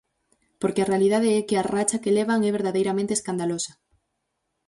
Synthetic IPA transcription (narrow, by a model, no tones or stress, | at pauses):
poɾkearealið̞að̞eɛkearat͡ʃakeleβaŋɛβ̞eɾðaðejɾamẽnt̪eskand̪alosḁ